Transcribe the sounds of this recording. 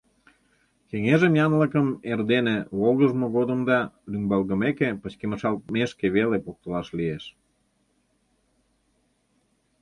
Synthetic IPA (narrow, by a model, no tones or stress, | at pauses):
keŋeʒəmjɑnləkəmerd̪eneβolɣəʒmə̆ɣod̪əmd̪ɑlymbɑlɣə̆mekepət͡ɕkeməʃɑlmeʃkeβelepok̚t̪əlɑʃlieʃ